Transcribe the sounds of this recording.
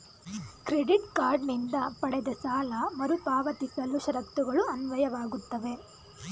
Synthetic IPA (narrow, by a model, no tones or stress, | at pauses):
kɾe̞ɖiʈkaːɾɖnind̪ɐpɐɽɛd̪ɐsaːlɐmɐɾupaːʋɐt̪ikɐlːuʃɐɾɐk̚t̪uɡɐɭuɐnʋɐjɐʋaːɡut̪ːɐʋe̞